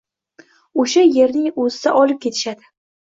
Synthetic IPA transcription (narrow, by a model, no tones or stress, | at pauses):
oʃaje̞ɾnɪŋozɪsaʔɒlɪp̚kʲʰe̞t̪ʰɪ̥ʃad̪ɪ